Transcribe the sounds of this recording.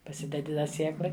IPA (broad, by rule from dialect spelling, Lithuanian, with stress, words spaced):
pɐˈsʲɪdʲɛdʲɪ dɐ ˈsʲiɛklˠɐɪ